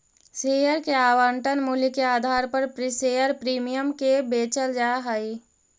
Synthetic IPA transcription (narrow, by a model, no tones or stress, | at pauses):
seːjəɾkeaːʋəɳʈənmulikeaːd̪ʱaːɾpəɾpɾɪseːjəɾpɾiːmijəmkebeːt͡ʃəld͡ʒaːɦai